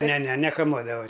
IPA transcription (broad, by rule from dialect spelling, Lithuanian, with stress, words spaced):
ˈnʲɛ ˈnʲɛ nʲɛkɐˈmuɔdɐʋɐ